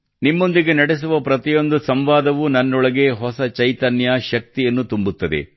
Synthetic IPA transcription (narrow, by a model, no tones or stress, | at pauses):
nimːo̞nd̪iɡe̞nɐɽes̬uʋɐpɾɐt̪ijo̞nd̪usɐmʋaːd̪ɐʋunɐnːɔɭɐɡe̞ɦɔsɐt͡ʃɐjt̪ɐnjɐʃɐk̚t̪ijɐnːut̪umbut̪ːɐd̪e̞̰